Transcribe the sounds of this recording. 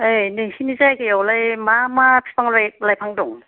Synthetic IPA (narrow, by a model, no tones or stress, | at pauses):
ajniŋsinizajkejawlajmamapʰi̥pʰaŋlajk̚lajpʰaŋdɔŋ